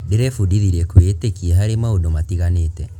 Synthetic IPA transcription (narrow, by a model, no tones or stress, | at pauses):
deɾɛfudiðiɾɛkwetekieɦaɾemaodomatiɣanetɛ